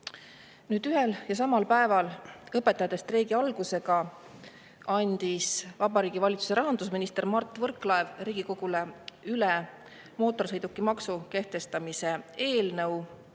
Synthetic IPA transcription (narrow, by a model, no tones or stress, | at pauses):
nyːd̪yɦe̞ljɑs̬ɑmɑlpæe̞vɑlɤpːˑet̪ːˑɑjɑt̪ːˑest̪reːɡiɑlɡ̥use̞ɡɑ | ɑnʲd̪̥isvɑbɑɾiːɡ̥ivɑlʲit̪su̥seɾɑɦɑnd̪usminist̪e̞rmɑrt̪ˑːvɤrkˑlɑevriːɡ̥iko̞ɡ̥uleylɛ | mo̞ːt̪ːˑo̞rsɤ̞jd̪ukːˑimɑksuke̞ht̪e̞st̪ɑmise̞e̞ːlnɤw